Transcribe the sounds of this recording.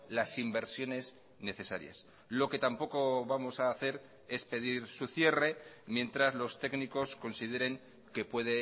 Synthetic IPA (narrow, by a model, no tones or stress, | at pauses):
lasimbe̞ɾsjo̞ne̞s | ne̞θe̞sa̰ɾja̰s | lo̞ke̞t̪ampo̞ko̞βamo̞saːθe̞ɾ | e̞spe̞ðiɾsuθje̞re̞mje̞nt̪ɾazlo̞st̪e̞kniko̞sko̞nsiðe̞ɾe̞ŋ | ke̞pwe̞ð̞e